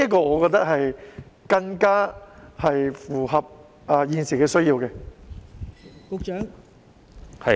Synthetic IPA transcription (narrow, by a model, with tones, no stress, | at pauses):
ɐ˥kɔː˧ŋɔː˨˧kɔː˧k̚t̪ɐ˥k̚hɐ˨jkɐ˧ŋkaː˥hɐ˨jfuː˨˩ɦɐ˨p̚ | ɐː˨jiː˧nsiː˨˩kɛː˧sɵ˥ɥjiː˧wkɛː˧ | kʊ˨˧k̚t͡ʃœː˨˥ŋ | hɐ˨